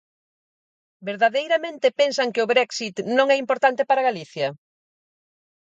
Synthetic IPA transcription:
beɾðaðejɾɐmẽnt̪ɪpensɐŋkɪʊβɾɛksit̪nõŋɛimpoɾt̪ant̪ɪpaɾaɣaliθjɐ

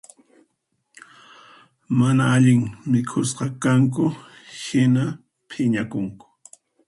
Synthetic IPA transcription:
manaaʎɪŋmɪkʰʊsqɑkaŋk̬ʊhɪna | pʰɪɲakʊŋkʊ̥

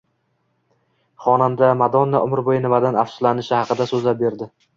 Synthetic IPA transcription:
χɒnamd̪amad̪ɒnːaʔʊmɪɾbojɪnɪvad̪anafsʊ̥lanɪʃɪhɑqɨd̪asɵzlap̚be̞ɾd̪ɪ

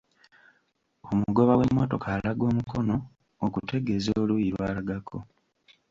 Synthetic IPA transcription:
o̞muɡo̞βawe̞mːo̞to̞kʰaːlaɡo̞ːmukʰo̞no̞ː | kute̞ɡe̞zoːlujiɾwaːlaɡakʰo̞̰

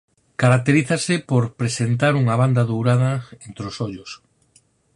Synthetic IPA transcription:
kaɾak̚t̪eɾiθasɪpoɾpɾesent̪aɾuŋaβ̞and̪ɐðowɾaðɐent̪ɾeosoʎʊs

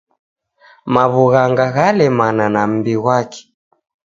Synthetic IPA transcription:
maβuɣaŋɡaɣalɛmananam̩biɣwakɛ̥

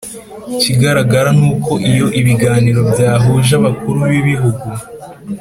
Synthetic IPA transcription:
ciɡaɾaɡaɾanuːkʰo̞ʔijo̞ʔiβiɡaːniɾo̞bjaːɦuːʒaβakuɾuβiβiɦuɡu

